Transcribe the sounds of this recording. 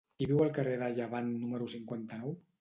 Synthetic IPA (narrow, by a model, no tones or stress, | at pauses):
kiβiwəlˠkəreðəʎaβanːuməɾusiŋkwant̪ənɔw